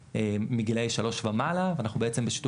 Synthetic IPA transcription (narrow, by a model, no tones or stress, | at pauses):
emiɡilejʃalo̞ʃvamalaveanaχnubeet͡sembeʃi̥t̪u